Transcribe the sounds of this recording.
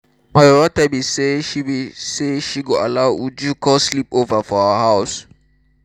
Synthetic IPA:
majoɹatɛbiseʃiwiseʃiɡoəlaʊud͡ʒukʰɔslipovəfɔaəɦaʊs

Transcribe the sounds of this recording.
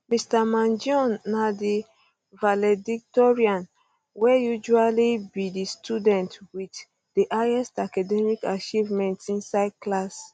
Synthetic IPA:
mistamãnd͡ʒɔ̃nːadi | valɛdik̚tɔɹiãn | wɛjud͡ʒualibidistʰudɛ̃ntwit | diʔajɛstakadɛmikat͡ʃivmɛ̃ntĩnsaɪd̚klas

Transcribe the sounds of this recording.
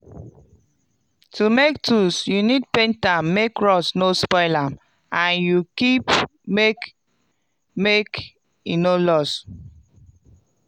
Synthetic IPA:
tʰumek̚tʰusjunid̚pẽntamːekɹɔsnospɔɪlãm | ãnjukipmek | mek | inolɔs

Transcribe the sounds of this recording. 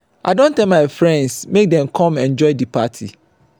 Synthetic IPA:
ʔa̰ɪdõntʰɛ̃lmaɪfɹɛ̃ndsmek̚dɛ̃mkʰɔ̃mɛ̃nd͡ʒɔɪdipʰatʰḭ

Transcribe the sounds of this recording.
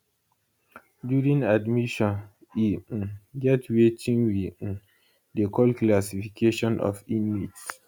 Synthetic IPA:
djuɹĩŋadmiʃɔ̃n | ĩɡɛtwetʰĩŋwĩ | dekʰɔlklasifikʰeʃɔ̃nʔɔ̰finmits

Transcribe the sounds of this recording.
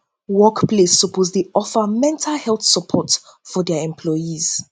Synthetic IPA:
wɔkpʰlesːəpʰozdeɔfəmɛ̃ntʰalhɛlˠθsəpʰɔt | fɔdɛɛ̃mpʰlɔjiz̥

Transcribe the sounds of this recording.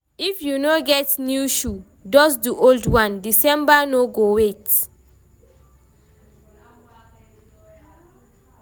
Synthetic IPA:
ifjunoɡɛtnjuʃu | dɔsduʔoldwãndisɛ̃mbanoɡowet

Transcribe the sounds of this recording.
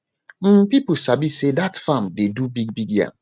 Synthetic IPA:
m̩pip̩sabisedatfãmdedubiɡ̚biɡjã̰

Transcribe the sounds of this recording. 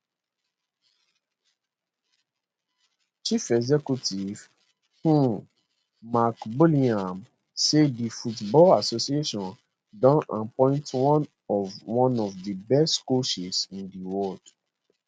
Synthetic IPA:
t͡ʃifɛɡzɛkutiv̥ | hũ | makbolĩãm | sedifutbɔlasosieʃɔ̃n | dãnãnpɔ̃ɪ̃ntwɔ̃n | ɔvwɔ̃nɔvdibɛstkoʃisĩndiwɔld̥

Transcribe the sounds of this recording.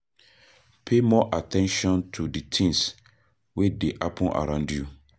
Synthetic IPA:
pʰemɔʔatʰɛ̃nʃɔ̃ntʰuditʰĩns | wedeʔapʰɔ̃nʔa̰ɾãndju

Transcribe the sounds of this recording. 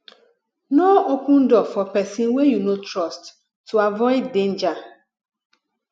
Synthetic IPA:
nɔokũn̩dɔfɔpɛsĩwejunotɾɔstː | uavɔɪddẽnd͡ʒa

